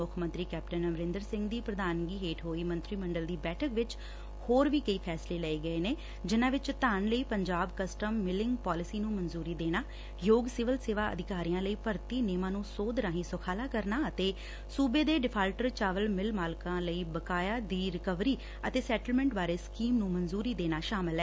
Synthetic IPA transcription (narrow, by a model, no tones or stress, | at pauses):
ʊkʰmə̃nt̪ɾiːkɛːpʈənəmɾɪ̃nd̪əɾsɪ̃ŋɡd̪iːpɾəd̪ʱaːnɡiːɦeːʈɦoːiːmə̃nt̪ɾiːməɳɖəld̪iːbɛːʈʰəkʋɪt͡ʃ | hoːɾʋiːkəiːpʰɛːsleːləeːɡəeːneː | d͡ʒɪnãːʋɪt͡ʃt̪aːnləiːpəɲd͡ʒaːbkəsʈəmːɪlɪŋɡpaːlɪsiːnũːmənzuːɾiːd̪eːɽ̃aː | joːɡsɪʋəlseːʋaːə̰d̪ɪkaːɾijãːləiːpəɾt̪iːneːmãːnũːsoːd̪ɾãːɦĩːsʊkʰaːlaːkəɾnaːət̪eː | suːbeːd̪eːɖɪpʰaːlʈəɾt͡ʃaːʋəlmɪlmaːlkãːləiːbəkaːjaːd̪iːɾɪkəʋɾiː | ət̪eːsɛːʈəlmɛ̃ːɳʈbaːɾeːskiːmnũːmənzuːɾiːd̪eːnaːʃaːmɪlɦɛː